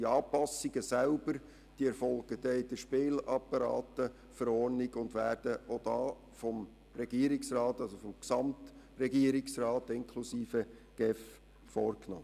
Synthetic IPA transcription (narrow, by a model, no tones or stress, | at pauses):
iɑːpɑsːɪɡəsælbəɾ | d̥iɛɾfɔlɡ̥əd̥ɛɪd̥əʃpeːlɑpːɑɾɑ̰ːtə | fəɾɔːɾnɪɡʊndʋæːɾd̥əʔod̥ɑː | fɔm | ɾɛɡ̥iəɾɪksrɑːtɑlsofɔmksɑmt | rɛɡiəɾɪksrɑːtɪŋkʰlusiːfəɡ̥ɛf | fɔːɾkno̰